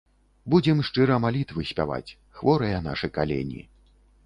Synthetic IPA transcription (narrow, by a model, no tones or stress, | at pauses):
bud͡zʲɛmʂt͡ʂɨɾɐmalʲit̪vɨsʲpʲa̰va̰t͡sʲ | xvɔɾɐjɐna̰ʂɨkalʲɛ̰nʲḭ